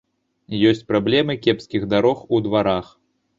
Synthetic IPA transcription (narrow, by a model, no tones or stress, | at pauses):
jɔsʲt͡sʲpɾablʲɛmɨkʲɛpskʲiɣd̪aɾɔxud̪vaɾax